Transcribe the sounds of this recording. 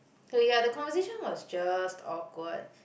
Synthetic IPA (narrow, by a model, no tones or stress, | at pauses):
sojadəkɔ̃nvəseʃə̃nwɔsd͡ʒastʰɔkwəd̚